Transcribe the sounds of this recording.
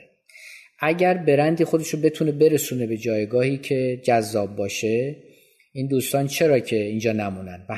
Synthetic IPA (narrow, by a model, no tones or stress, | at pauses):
ʔæɟæɾbe̞ɾænd̪iːxod̪eʃobe̞t̪ʰuːne̞be̞ɾesuːne̞be̞d͡ʒɒːjɡɒːhiːcʰe̞d͡ʒæzːɒːb̚ːɒːʃe̞ | iːnd̪uːst̪ɒːnt͡ʃʰe̞ɾɒːcʰe̞iːnd͡ʒɒːnæmuːnænd̪væ